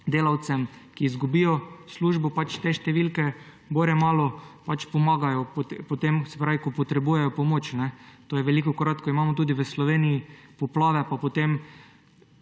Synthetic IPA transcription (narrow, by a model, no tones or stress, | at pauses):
d̪eːlawt̪sɛmkiːzɡubiːjɔsluːʒbɔpat͡ʃt̪eʃt̪ɛʋilkɛ | boɾjɛmaːlɔpat͡ʃpɔmaːɡajɔpt̪pɔt̪emsɛ̥pɾaːʋikɔpɔt̪ɾɛbuːjɛjɔpɔmoːt͡ʃnɛt̪oːjɛʋɛlikɔkoɾat̪kɔimaːmɔt̪uːd̪iʋəslɔʋeːnijipɔplaːʋɛpapɔt̪em